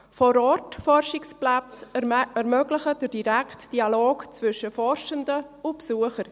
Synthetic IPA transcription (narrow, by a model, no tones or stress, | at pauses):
fɔɾɔtfɔrʃɪksplat͡sɛɾmœɡlɪχəd̥əɾd̥iɾɛktd̥ialoːɡt͡svʏʃəfɔrʃəndə | ʊpsuəχəɾ